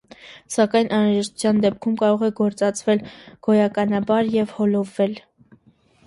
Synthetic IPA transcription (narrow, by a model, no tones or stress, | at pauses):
sɑkɑjnʔɑnɾɑʒɛʃt̪u̥t͡sʰjɑnd̪ɛp̚kʰumkɑɾɔʁɛɡɔɾt͡sɑt͡sʰvɛlɡ̥ɔjɑkɑnɑbɑɾjɛvhɔlɔvːɛl